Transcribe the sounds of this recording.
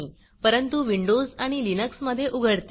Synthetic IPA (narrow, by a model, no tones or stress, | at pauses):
iː | pəɾənt̪uʋiɳɖod͡zaɽ̃ilinəksməd̪ʱːjeʔuɡʱəɽt̪